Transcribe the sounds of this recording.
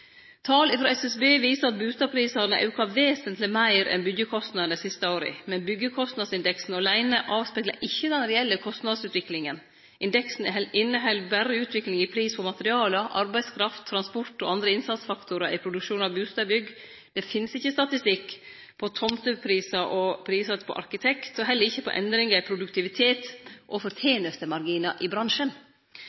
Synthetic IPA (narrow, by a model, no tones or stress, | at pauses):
t̪ʰɑːlɪfɾɑːɛsɛsbeːʋiːsəɾɑt̪̚bʉːst̪ɑːpʰɾiːsɑnəʔɑ̰ʉkɑʋeːsənt̪lɪmæɪɾɛ̰nbʏɡjəkʰɔst̪nɑd̪nəsɪst̪əoːɾə̰mɛnbʏɡːəkʰɔst̪nɑd̪sɪnd̪ɛksn̩ɔlæɪnəʔɑːʋspɛːɡlɑ̰ʔɪçːəd̪ɛnɾɛɛlːəkʰɔst̪nɑd̪sʉːt̪ʋɪklɪŋən | ʔɪnd̪ɛksn̩ɛɛʔɪnːəɦɛlbæɾəʉːt̪ʰʋɪklɪŋɪpʰɾiːsfɔmɑt̪əɾɪɑːləʔɑ̰ɾbæɪskʰɾɑft̪ʰːɾɑnspɔʈɔʔɑnd̪ɾəɪnsɑt̪sfɑkt̪ʰʊɾəʔɪpʰɾʊd̪ʉkʂuːnɑbʉːst̪ɑbʏɡː | d̪ɛfɪnsɪçːəst̪ɑt̪ɪst̪ɪkː | pʰɔt̪ʰɔmt̪əpʰɾiːsɑʔɔpʰɾiːsɑpʰɔ̰ʔɑ̰ɾkɪt̪ʰɛkt̪ɔɦɛlːəɾɪçːəpʰɔ̰ʔɛ̰nd̪ɾɪŋɑɾɪpʰɾʊd̪ʉkt̪ɪʋɪt̪ʰeːt̪ʔɔfɔɾt̪ʰeːnəst̪əmɑɾɡiːnɑʔɪbɾɑnʂən